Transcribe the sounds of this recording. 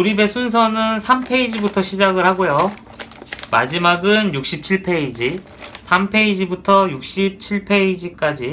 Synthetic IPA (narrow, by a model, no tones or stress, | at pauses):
tuɾibe̞sʰuns̬ʰʌnɯnsʰampʰe̞id͡ʑibutʰʌɕʰid͡ʑaɡɯɭhaɡojo | ma̰d͡ʑimaɡɯnjuk̚ɕ͈ʰip̚t͡ɕʰiɭpʰe̞id͡ʑi | sʰampʰe̞id͡ʑibutʰʌjuk̚ɕ͈ip̚t͡ɕʰiɭpʰe̞id͡ʑik͈ad͡ʑi